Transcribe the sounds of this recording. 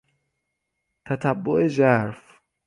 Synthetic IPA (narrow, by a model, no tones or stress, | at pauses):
t̪ʰæt̪ʰæbːoʔed͡ʒæɾf